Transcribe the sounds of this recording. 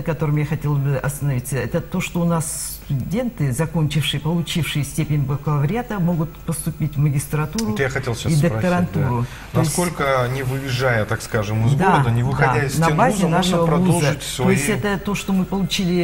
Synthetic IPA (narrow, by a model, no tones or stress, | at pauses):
kɐt̪o̞ɾɨmjaxɐtʲe̞lˠzbɨʔɐst̪ənɐvʲit̪səɛt̪ət̪o̞ʂt̪o̞ʊnass | t̪ʊdʲe̞nt̪ɨzɐko̞nʲt͡ɕɪfʂɨjəpəlˠʊt͡ɕifʂɨjəsʲtʲepʲɪnʲbkəvəvɾʲat̪əmo̞ɡʊt̪pəst̪ʊpʲitʲvməɡʲɪst̪ɾɐt̪uɾʊt̪jaxɐtʲelˠɕaid̪əpk̪əɾɐnt̪uɾʊ | t̪nɐɪssʲko̞lʲkənʲɪvɨjɪʐajət̪akskaʐɨmɨzɡd̪aəd̪ənʲɪvɨxɐaaɪsnɐnbazʲɪnaʂəvəpɾɐvuzzəɨtʲst̪vojɪsʲtʲɛt̪ət̪o̞ʂt̪o̞mɨpəlˠʊt͡ɕilʲɪ